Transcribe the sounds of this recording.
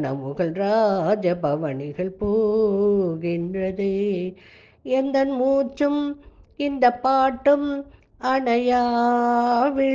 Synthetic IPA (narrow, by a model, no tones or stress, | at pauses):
nɐ̰mɯɣɐɭɾaːd͡ʒɐbɐʋɐɳɪɣɐɭpoː | ɣɪndrɐðɯ | ɛnd̪ɐnmuːt͡ʃːɯmɪnd̪ɐpːaːʈːɯm | ɐɳɐjaː | ʋɪ